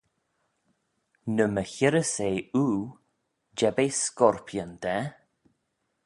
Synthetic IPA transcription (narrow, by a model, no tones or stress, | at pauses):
nəməçɪɾəseːuː | d͡ʒɛbeːskɔɹpʰjənd̪ɛ